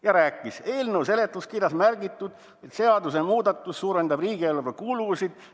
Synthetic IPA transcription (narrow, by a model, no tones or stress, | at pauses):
jɑɾæːkːˑise̞ːlnəwse̞le̞t̪ːˑuskirjɑsmærɡit̪ːˑud̪̥ | et̪se̞ɑd̪usemuːd̪ɑt̪ːˑussuːɾe̞nd̪ɑbriːɡ̥ielːvɑkuluvusid̪̥